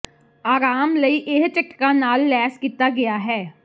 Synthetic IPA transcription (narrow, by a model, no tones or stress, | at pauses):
aːɾaːmləiːʔɪɦt͡ʃɪkkanaːlːɛːskiːt̪aɡɪjaːɦɛː